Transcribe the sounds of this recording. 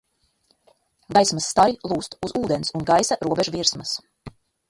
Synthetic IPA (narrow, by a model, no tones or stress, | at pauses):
ɡajsmasːt̪aɾilˠuːst̪uzuːd̪ensunɡajsaɾuɔbeʒuviɾsmas